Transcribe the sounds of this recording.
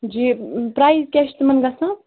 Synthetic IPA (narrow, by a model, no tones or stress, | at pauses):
d͡ʒipɾajzkʲeʃt̪mɐnɡɐsɐ̃